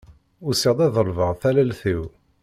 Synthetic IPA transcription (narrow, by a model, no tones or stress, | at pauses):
ʊɾsiʁd̪ˤæðˤəlvəʁθælælθiw